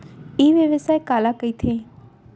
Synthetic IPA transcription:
iɦʋeʋɪsaːekaːlakəit̪ʰeː

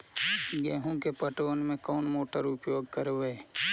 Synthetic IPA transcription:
ɡeːɦũkepəʈoːnmẽkɔːnmoːʈəɾʊpjoːɡ̚kəɾʋeː

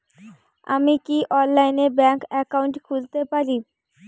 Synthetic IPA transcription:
a̰mikiʔɔnlajnebɛŋkɛkauɳʈkʰud͡ʑt̪epaɾi

